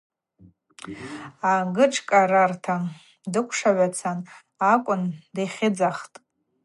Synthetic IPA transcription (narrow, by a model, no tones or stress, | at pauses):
aɡɨʈ͡ʂʰkʼaɾartʰa | dɨkʷʰʂaʕʷat͡sʰan | akʷʼʊndejχʲɪd͡zaχtʼ